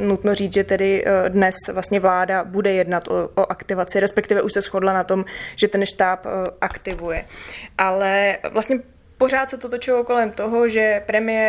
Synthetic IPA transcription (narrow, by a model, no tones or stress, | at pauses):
nut̪no̞riːt͡sʒɛt̪ɛdɪdnɛsvlast̪ɲɛvlaːdabudɛjɛdnat̪ʔooʔakt̪ɪvat͡sɪɾɛspɛk̚t̪ɪvɛʔuʃsɛsxo̞dlanat̪o̞mʒ̥ɛt̪ɛnʃt̪aːpʔakt̪ɪvujɛʔalɛvlast̪ɲɛ | po̞ɾ̝aːt̪sɛt̪ot̪ot͡ʃɪloko̞lɛmt̪oɦoʒɛpɾɛmɪjɛ